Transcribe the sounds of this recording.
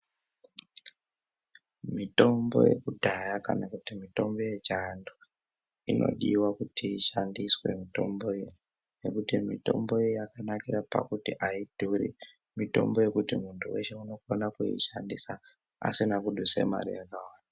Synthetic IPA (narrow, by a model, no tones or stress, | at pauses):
mito̞mbo̞̰je̞̰kudʱajaka̰nakutimito̞mboje̞t͡ʃandu | ino̞̰ɗiwakutiːʃandiswe̞̰mito̞mbo̞i | ne̞kutimito̞mbo̞ijjakanakirapa̰kutiʔaid̥ʱuɾḭ | mito̞mbo̞je̞kutimuntʰuwe̞ʃe̞uno̞konakujḭʃandisa | a̰sinakuɗuse̞̰ma̰rḭjakawaːnaa